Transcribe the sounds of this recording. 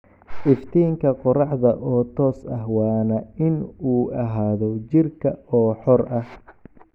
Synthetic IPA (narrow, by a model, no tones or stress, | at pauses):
ʔɪft̪ʰiːŋkʰɐqɔrɑħðɐʔɔːt̪ʰɔːsɐhwɑːnɐɪnuːɐɦaːðɔt͡ʃɪrkʰɐɔːħɔrɐh